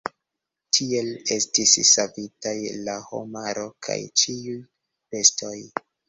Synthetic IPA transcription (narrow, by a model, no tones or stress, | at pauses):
tʰie̞le̞stisːavitajlaho̞̰maɾo̞kʰa̰jt͡ʃiuj | be̞stʰo̞j